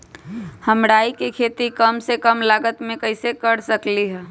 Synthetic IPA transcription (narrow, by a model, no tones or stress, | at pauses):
həmɽaːikekʰeːt̪ikəmsekəmlaːɡət̪mẽkəɪsekəɾsəkliɦɛː